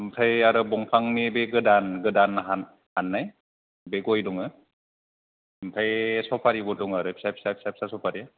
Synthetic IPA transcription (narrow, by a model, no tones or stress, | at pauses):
mtʰajaɾɯbɔŋpʰaŋmibeɡɯdanɡɯdanɦan | hanːaj | beɡɔjduŋɯ | m̩tʰajsɔpʰaɾibɔduŋaɾɯpʰi̥sapʰi̥sapʰi̥sapʰi̥sasɔpʰaɾi